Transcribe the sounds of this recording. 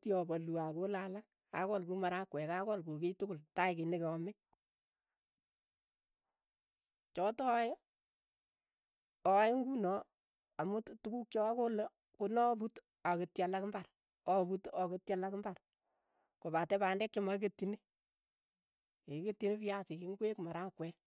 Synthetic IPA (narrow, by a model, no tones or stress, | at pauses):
tiɔbaluakolalaŋ | a̰kɔlkumaɾakwɛkakɔlkoketʊkʊltaɪkɪnɪkeɔme | t͡ʃɔtɔj | ɔjŋɡunɔ | amuttukuk̚t͡ʃɔakolo | kunɔbut | aketjalakmbar | ɔbutɔketjalakmbar | kobatɛbandɛkːemak̬etːine | eketːinepiasɪkiŋɡwekmaɾakwɛ